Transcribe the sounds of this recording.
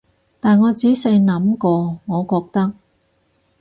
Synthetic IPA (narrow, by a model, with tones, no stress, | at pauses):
t̪aː˨nŋɔː˨˧t͡siː˨˥sɐ˧jnɐ˨˥mkɔː˧ŋɔː˨˧kɔː˧k̚t̪ɐ˥k̚